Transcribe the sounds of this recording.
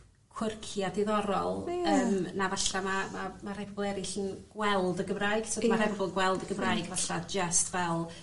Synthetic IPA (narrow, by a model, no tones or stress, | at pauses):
kʰwɪrkʰiadɪðɔɾɔ̰lˠəːmnavaɬamamamaɾajpʰɔbɔlˠɛɾɪɬənɡ̥wɛlˠdəɡəmrajɡ̥sʰodmaɾajpʰɔbɔlˠɡwɛlˠdəɡəmrajɡvaɬad͡ʒəstʰvɛlˠ